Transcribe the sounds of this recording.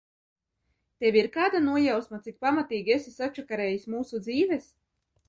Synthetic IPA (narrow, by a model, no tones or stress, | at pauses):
t̪ɛvʲiɾkaːd̪anuɔjawsmat̪sik̚pamat̪iːɡʲesisat͡ʃakaɾɛːjisʲmuːsud̪ziːvɛs